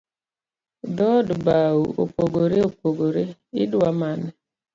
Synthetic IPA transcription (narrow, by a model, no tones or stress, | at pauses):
dɔdbauo̰poɡoɾeopoɡoɾeḭdamanɛ